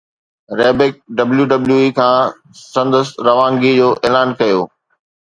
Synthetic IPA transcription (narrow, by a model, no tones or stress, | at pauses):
ɾɛːbɪk̚ɖɐbljuɖɐbljuikʰãː | sɐ̃nd̪əsɾɐʋãːŋɡid͡ʑoːʔeːlaːnkɐjoː